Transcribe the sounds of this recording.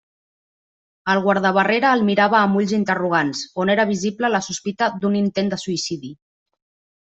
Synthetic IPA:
əlˠɣwaɾð̞əβəreɾəːlˠmiɾaβəːmuʎzint̪əruɣ̞ansoneɾəβ̞iziblələsuspit̪əd̪unint̪end̪əsuisiði

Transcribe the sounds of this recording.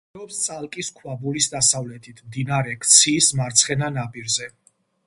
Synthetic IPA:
ɛɔpst̪sʼalˠkʼiskʰwabulisd̪asavlɛt̪ʰit̪ʰmd̪inaɾɛkʰt̪sʰiːsmaɾt̪sʰχɛnanabʼiɾzɛ

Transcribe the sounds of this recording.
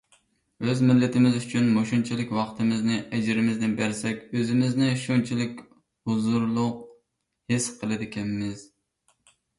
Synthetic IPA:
øzmɪlːɪt̪ʰɪmɪzyt͡ʃʰynmoʃunt͡ʃʰilɪkʲwɑqt̪ʰɨmɪznɪʔɛd͡ʒɪɾɪmɪznɪnbæɾsɛkʲøzɪmɪznɪʃunt͡ʃʰilɪkʲ | hʊzuɾlˠʊq | hɪsqʰəlˠɨd̪ɪkʲʰɛnmɪz̥

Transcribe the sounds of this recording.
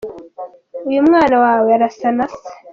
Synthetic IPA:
ujumŋaːnawaːweaɾasanase̥

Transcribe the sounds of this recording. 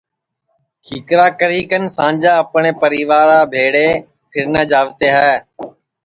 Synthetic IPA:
kʰiːkɾaːkəɾiːkənsãːd͡ʒaːəpɳeːpəɾiːʋaːɾaːbʱeːɽeː | pʰɪɾnəːd͡ʒaːʋt̪eːɦaɛː

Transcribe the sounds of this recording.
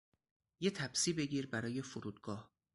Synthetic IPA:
jet̪ʰæbsiːbe̞ɡʲiːɾbæɾɒːje̞foɾuːd̪̥̚ɡɒːh

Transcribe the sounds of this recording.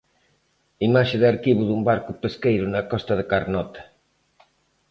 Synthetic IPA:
imaʃeðaɾkiβuðumbaɾkʊpeskejɾʊnakɔst̪ɐðekaɾnɔt̪ḁ

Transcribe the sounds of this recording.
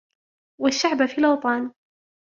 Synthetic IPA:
waʃːaʕbafiːlɑwt̪ˤɑːn

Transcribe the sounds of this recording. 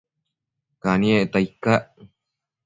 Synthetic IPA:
kanĩet̪aikaʔ

